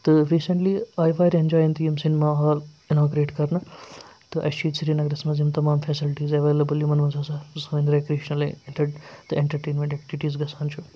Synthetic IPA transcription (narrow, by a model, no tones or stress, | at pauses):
t̪ɨɾiːseɳʈliaːjʋaːjɾẽnd͡ʒaːjɐnt̪ijimsinimaɦaːl | inaːɡɾeːʈkɐɾnɐ | t̪ɨʔɐ̰ʃiːt̪siɾinɐɡɾɐsmɐzimt̪ɐmaːmfʰɛsilʈiːzɐʋeːlɐbɨlimɐnmɐnsɐsausɐːinɾekɾeːʃnɐlʈɐt̪ɨeɳʈɐɾʈeːnmʲẽɳʈɛk̚ʈiʋiʈiːzɡɐsaːnt͡ʃʰu